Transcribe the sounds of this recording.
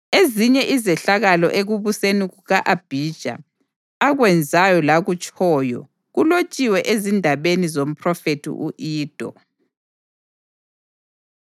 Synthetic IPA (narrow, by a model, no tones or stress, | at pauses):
eziɲɛʔizɛɬaɣalɔ̰ʔeɣuβuseniɣuɣaʔab̥ʱid̥ʒ̥ʱa̰ | aɣwɛnd͡zʱajɔlaɣut͡ʃʼɔːjɔ̰ | ɣulot͡ʃʼiwɛʔezindʱaβenizom̩pʰrɔfetʰḭʔuʔiːd̥ʱɔ̰